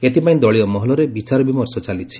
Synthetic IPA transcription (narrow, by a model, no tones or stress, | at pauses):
et̪ipaĩd̪ɔɭijɔmɔɦɔlɔɾebit͡ʃaɾɔbimɔɾsɔt͡ʃalit͡ʃʰi̥